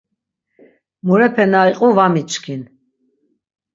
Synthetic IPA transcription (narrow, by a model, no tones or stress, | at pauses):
muɾɛpʰɛnaiqʼuvamit͡ʃʼkʰin